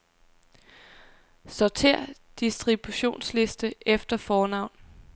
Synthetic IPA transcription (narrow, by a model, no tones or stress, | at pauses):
sɒt͡sʰeɐ̰d̥isd̥ʁib̥uɕo̝̰ːnsle̝sd̥əʔefd̥ɐfɒːnɑ̈ʊ̰n